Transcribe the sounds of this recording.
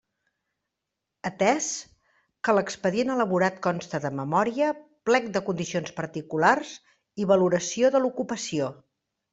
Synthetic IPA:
ət̪ɛs | kələkspəðienələβuɾat̪kɔnst̪əðəməmɔɾiəplɛk̚d̪əkund̪isionspəɾt̪ikularz | iβəluɾəsioðəlukupəsio

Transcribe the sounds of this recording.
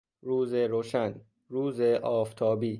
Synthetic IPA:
ɾuːzeɾoːʃæn | ɾuːzeʔɒːft̪ʰɒːbiː

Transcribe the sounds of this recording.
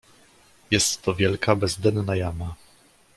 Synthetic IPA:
jɛst̪ːɔvʲjɛlkabɛzd̪ɛnnajama

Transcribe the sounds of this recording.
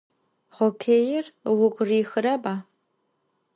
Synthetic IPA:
χokʰeːjɪrwʊɡʷriːxɨɾɐbaː

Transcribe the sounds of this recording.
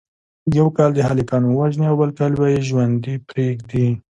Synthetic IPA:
jawkɑld̪əɦalikɑnowaʒniawbəlkɑlwɑjiʒwand̪ipɾeɡd̪i

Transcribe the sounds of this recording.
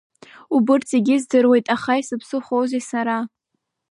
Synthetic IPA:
ubɨrt͡sʰeɡʲɪzdɨrwe̞jtʼaχajsɨpʰsɨχowzesaɾa

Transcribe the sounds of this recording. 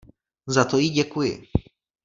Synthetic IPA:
zat̪ojiɟɛkujɪ̰

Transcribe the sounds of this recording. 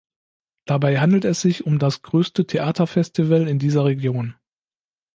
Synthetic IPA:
d̥abaɪɦandl̩tɛsz̥ɪçʊmdasɡ̥ʁøːstətʰeʔaːtʰɐfɛstivəlɪndiːzɐʁ̞eɡjoːn

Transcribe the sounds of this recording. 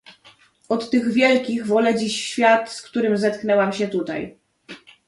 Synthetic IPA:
ɔt̪ːɘɣvʲjɛlkʲiɣvɔlɛd͡ʑiɕɕfʲjat̪skt̪uɾɘmzɛt̪knɛwamɕɛt̪ut̪a̰j

